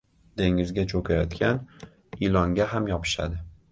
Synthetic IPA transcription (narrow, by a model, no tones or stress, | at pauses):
d̪̥e̞ŋɪzɡʲat͡ʃʰokʲʰajɒt̪kʲan | ilɒŋɡʲaɦamjɒpʰɪ̥ʃa̰d̪ɪ